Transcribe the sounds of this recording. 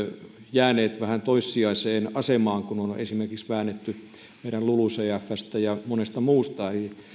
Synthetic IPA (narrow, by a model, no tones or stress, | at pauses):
jæːneːt̪ʋæhænt̪oisːiɑiseːnɑsemɑːŋkunonḛsimerkiksʋæːnːet̪ːy | meˑiɾælluluseæfːæst̪æjɑmonest̪ɑmuːst̪ɑeli